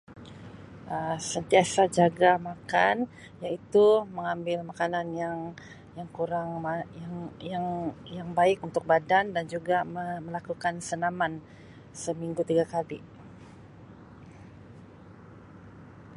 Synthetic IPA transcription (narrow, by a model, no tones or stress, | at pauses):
ʔəsənt̪iasad͡ʒaɡamakan | jait̪uməŋambɪlmakananjaŋ | jaŋkuɾaŋmajaŋjaŋjaŋbaɪk̚unt̪ʊk̚badandand͡ʒuɡamməlakukansənaman | səmiŋɡut̪iɡakalḭ